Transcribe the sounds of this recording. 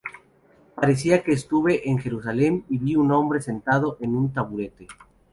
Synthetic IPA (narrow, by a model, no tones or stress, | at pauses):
paɾe̞s̬iake̞ːst̪uβe̞ʔeŋxe̞ɾusale̞miβiuno̞mbɾe̞se̞nt̪aðo̞ʔe̞nunt̪aβuɾe̞t̪e̞